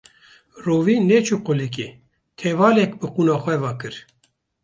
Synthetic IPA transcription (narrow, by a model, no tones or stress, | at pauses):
roːviːnet͡ʃʰuqʊlik̬e | t̪ʰɛvɑːlɛkbɨquːnɑːxʷɛvaːkɨɾ